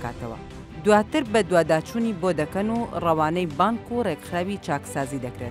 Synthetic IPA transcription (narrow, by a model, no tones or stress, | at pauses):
ka̰ːt̪ɐwɐ̰ | d̪waːt̪ɨɾbɐd̪waːd̪aːt͡ʃuːnibod̪ɐkɐnurɐwaːnɛjbaːŋkureɡxɾaːwit͡ʃaːksaːzid̪ɐkɾet̪̚